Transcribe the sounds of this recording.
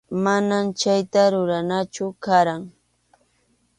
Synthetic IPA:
manamt͡ʃajt̪aɾʊɾanat͡ʃʊkaɾaŋ

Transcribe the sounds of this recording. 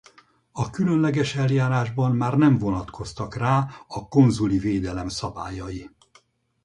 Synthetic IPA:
ɒkylønlɛɡɛʃɛljaːɾaːʒbɒmmaːrnɛɱvo̞nɒt̪kʰo̞st̪ɒkraːɒko̞nzuliveːd̪ɛlɛmsɒbaːjɒji

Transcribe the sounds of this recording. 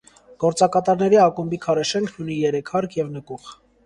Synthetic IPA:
ɡ̥ɔɾt͡sɑkɑt̪ɑɾnɛɾiɑkumbikʰɑɾɛʃɛŋkʰnunijɛɾɛkʰhɑɾkʰjɛvnəkuχ

